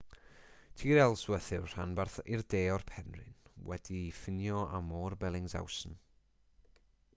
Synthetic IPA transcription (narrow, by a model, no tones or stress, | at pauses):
tʰiːɾɛlˠswəθɪwr̥anbarθirdeːɔrpʰɛnrɪ̰nwɛd̥ifɪnjɔʔamoːrbɛlˠɪŋza̰wsn̩